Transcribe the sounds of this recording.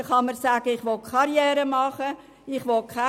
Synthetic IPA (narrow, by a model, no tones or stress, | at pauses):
χɑmərsæːɡ̥əɪχʋɔkʰɑɾjɛːɾəmɑχə | ɪχʋɔkʰχa